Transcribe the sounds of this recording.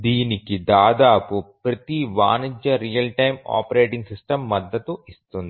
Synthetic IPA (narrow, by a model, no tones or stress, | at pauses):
d̪iːnikid̪aːd̪aːpupɾɐt̪iʋa̰ːnid͡ʒjɐɾijɐlʈɐjma̰ːpɐɾeːʈiŋɡsisʈɐmːɐd̪ːɐt̪uist̪und̪ii